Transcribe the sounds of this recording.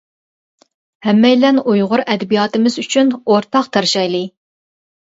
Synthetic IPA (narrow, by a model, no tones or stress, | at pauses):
hɛmːɛjlɛnujʁʊɾɛd̪ɛbijɑːt̪ɨmɪzyt͡ʃʰynoɾt̪ʰɑqt̪ʰɑɾʃɑjlˠɨ